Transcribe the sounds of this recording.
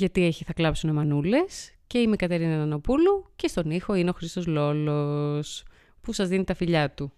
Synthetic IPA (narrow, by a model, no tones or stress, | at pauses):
ʝɐt̪ie̞çiθɐklɐpsunemɐnule̞sce̞imekɐt̪e̞ɾinɐðɐno̞puluce̞st̪o̞nixo̞ineo̞xɾist̪o̞zlo̞lo̞s | pusɐzðinit̪ɐfiʎɐt̪u